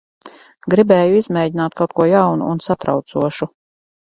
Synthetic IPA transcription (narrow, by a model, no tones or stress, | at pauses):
ɡɾibɛːjuizmʲɛːɟinaːt̪̚kʰawt̪̚kuɔjawnṵːnsat̪ɾa̰wt̪suɔʃu